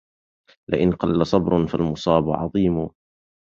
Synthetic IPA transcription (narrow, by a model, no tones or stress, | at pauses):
lɪʔɪnqɑlːasˤɑbɾˤfalmʊsˤɑːbʊʕɑ̰ðˤiːmʊ